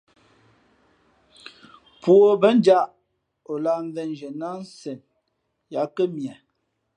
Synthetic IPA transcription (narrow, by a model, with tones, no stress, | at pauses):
pu˨o˦˨bə˨˦n˦d͡ʒa˦ʔ | o˨la˦˨n̩˦vɛ˦n˨d͡ʒə˨na˦n˦sɛ˨n | ja˨˦kə˦mjɛ˨